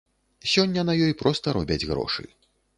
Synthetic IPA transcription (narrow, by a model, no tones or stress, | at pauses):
sʲɔnʲːɐnɐjɔjpɾɔst̪ɐɾɔbʲɐd͡zʲɣɾɔ̰ʂɨ̰